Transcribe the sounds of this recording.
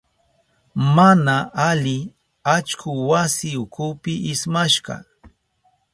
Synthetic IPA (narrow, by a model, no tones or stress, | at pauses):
manaalɪ | at͡ʃkʊwasɪʊkʊpɪʔɪsmaʃɢɑ̰